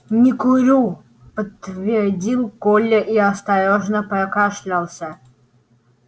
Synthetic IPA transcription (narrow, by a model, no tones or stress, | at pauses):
nʲɪkʊɾʲu | pət̪ːvʲɪrdʲilˠkolʲːəʔiɐst̪ɐjoʐnəpɾɐkaʂlʲalˠsʲə